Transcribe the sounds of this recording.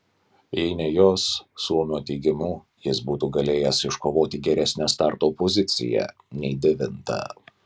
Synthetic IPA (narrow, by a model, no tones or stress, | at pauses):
ɛɪnʲɛjoːsːulmʲoːt̪ʲɛɪɡʲɪmuː | jɪsbuːt̪uːɡɐlʲeːjɛsɪʃkoːʋoːt̪ʲiːɡʲɛɾʲæsʲnʲɛst̪ɑˑɾt̪oːpozʲɪt̪sʲɪ̰jɛ̰ | nʲɛɪd̪ʲɛʋʲɪnt̪ɐ̰